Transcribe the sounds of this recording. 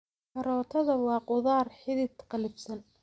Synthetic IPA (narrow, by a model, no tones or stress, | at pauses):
kʰɐɾɔːt̪ʰɐðɐwɑːqʊðɑːrħɪðɪt̪qɑlɪbsɐn